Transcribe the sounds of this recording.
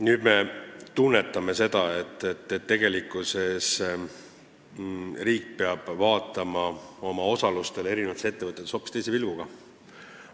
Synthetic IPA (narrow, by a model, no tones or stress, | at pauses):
nyːd̪̥me̞t̪unːe̞t̪ːˑɑme̞se̞d̪̥ɑe̞t̪ːˑet̪ːet̪ːe̞ɡ̥e̞likːˑuse̞s | riːk̚peɑb̥vɑːt̪ːˑɑmɑo̞mɑo̞sɑlust̪e̞le̞ɾinevɑt̪ese̞t̪ːeɤt̪ːˑet̪ːeso̞ːpi̥st̪ejs̬evilvuɡ̥ɑ